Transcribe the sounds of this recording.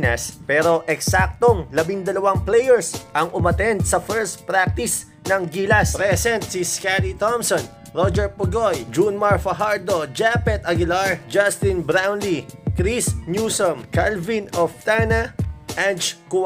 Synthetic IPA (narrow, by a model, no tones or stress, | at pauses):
nɐspɛːɾo̞ʔɛksak̚t̪oŋlɐbiŋd̪ɐlɐwaŋplɛjɛɹsʔɐŋʊmɐt̪ɛnd̪sɐfɛɹst̪̚pɾak̚t̪ɪs | nɐŋɡilɐspɾɛsɛnt̪siskaɾit̪ɔmson | ɹod͡ʒɛɹpʊɡojd͡ʒunmaɹfɐɦaɹd̪od͡ʒapɛt̪ɐɡɪlaɹd͡ʒast̪ɪnbɾawnlikɾisnjusomkalvinoft̪anɐʔant͡ʃk